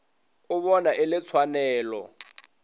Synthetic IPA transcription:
ʊβɔnaʔɪlɪt͡sʰwanɛːlɔ̰

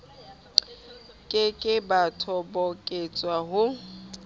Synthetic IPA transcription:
kʼɪkʼɪbatʰɔbɔkʼet͡sʼwaɦʊ

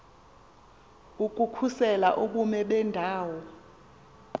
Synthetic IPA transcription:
uk̬ʼukʰusɛla̰ʔuk̬umɛɓɛndʱaːwɔ

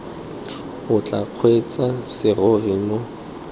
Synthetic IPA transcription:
ʊt͡ɬʼaq͡χʰwet͡sʼasɪrʊɣimʊ

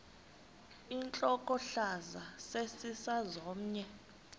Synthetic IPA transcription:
int͡ɬʼɔkʼɔɬazasesisazɔːm̩ɲɛ

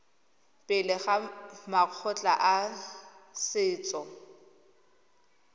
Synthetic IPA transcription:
pʼɪlɪχamaq͡χʰɔt͡ɬʼaʔa | sɪːt͡sʼɔ

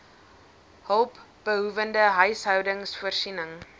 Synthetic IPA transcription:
ɦəlˠp | b̥əɦuvəndəɦœɥsɦœwdəŋsfuərsinəŋ

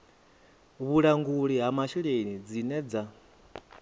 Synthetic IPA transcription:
βuɺaŋɡuɺiɦamaʃiɺenid͡zinɛd͡za

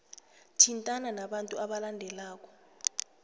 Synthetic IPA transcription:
tʰintʼananaɓantʼuaɓalandʱɛlaːk̬ʼɔ̥

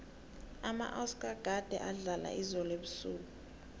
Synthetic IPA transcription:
ama̰ʔaskʼaɡ̥ʱad̥ʱɛ̰ʔaɮala̰izɔleɓusuːku

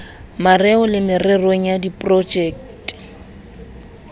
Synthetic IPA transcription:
marɛʊlɪmɪrɪreŋ̩jadipʼrɔd͡ʒɛːktʼɪ̥

